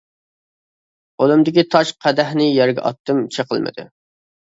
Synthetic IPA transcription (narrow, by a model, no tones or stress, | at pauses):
olˠɨmd̪ɪkʲit̪ʰɑʃqʰɛd̪æhnɪjæɾɡʲɛ̰ʔɑ̰t̪ːɨmt͡ʃʰeqʰəlˠmɨ̰d̪ɨ̰